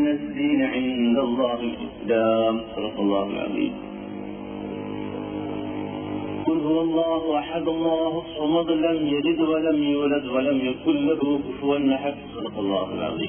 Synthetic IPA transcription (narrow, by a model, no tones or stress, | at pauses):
nːazːiːnʕɪnd̪alˤːɑːhɪlʔɪ̰sd̪amsˤɑd̪ɑqɑlˤːɑːha̰lʕɑ̰ðˤḭːm | kʊlɦʊwalˤːɑːɦʔaħad̪ɑlˤːɑːhsˤʊmɑðˤlamjaɾɪd̪walamjuːlad̪walamjakʊlːahʊkfʊwanːaħabsˤɑd̪ɑqɑlˤːɑ̰ːhalʕɑ̰ðˤḭːm